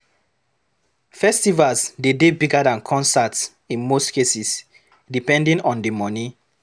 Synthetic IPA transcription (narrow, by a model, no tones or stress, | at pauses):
fɛstivalsdedebiɡadãnkʰɔ̃nsats | ĩnmostkesis | dipɛ̃ndĩnɔ̃ndemɔni